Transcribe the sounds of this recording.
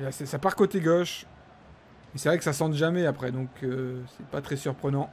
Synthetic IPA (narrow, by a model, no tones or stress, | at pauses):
lasɛsapaʁkot̪eɡɔʃ | mɛsɛvʁɛkə̥sasɑ̃t̪ʒamɛapχɛd̪ɔ̃kʰøsɛpat̪χɛsyʁpχənɑ̃